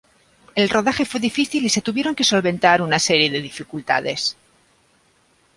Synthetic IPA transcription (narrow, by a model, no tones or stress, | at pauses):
e̞lro̞ðaxe̞fwe̞ðifiθilise̞t̪uβ̞je̞ɾo̞ŋke̞so̞lβe̞nt̪aɾunase̞ɾje̞ðe̞ðifikult̪a̰ðe̞s